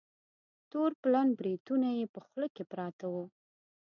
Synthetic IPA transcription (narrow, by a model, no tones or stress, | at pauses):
t̪oɾplanbɾid̪unajepəxləkepɾɑt̪awu